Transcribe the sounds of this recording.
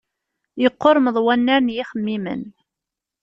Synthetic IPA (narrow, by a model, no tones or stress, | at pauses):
jəqːoɾˤməðˤwænːæɾnjiχəmːimə̰n